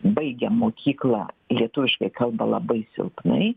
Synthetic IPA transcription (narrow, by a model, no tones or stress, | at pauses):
bɐɪɡʲɛmoːkʲiːklˠɑ̰lʲiɛt̪ʊʋʲɪʃkɐɪkɐlˠbɐlˠɐ̰bɐɪsʲɪ̰lˠpnɐ̰ɪ